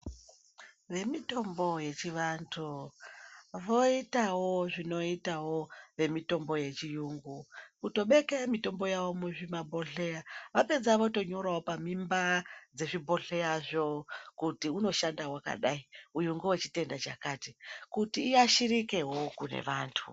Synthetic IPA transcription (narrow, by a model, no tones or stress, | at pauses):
ʋe̞mito̞mbo̞je̞t͡ʃiʋantʰu | ʋo̞itawo̞ʐino̞itawo̞ʋe̞mito̞mbo̞je̞t͡ʃijuŋɡukuto̞ɓe̞kemito̞mbo̞jaʋo̞muʐimabʱo̞ɬe̞jaʋape̞d͡zaʋoto̞ɲo̞ɾawo̞pamimbad͡ze̞ʐibʱo̞ɬe̞jaʐo̞kutiuno̞ʃandawaka̰ɗaiujuŋɡuwet͡ʃite̞ndat͡ʃakatikutiːaʃirike̞ɦo̞kune̞̰ʋaːntʰṵ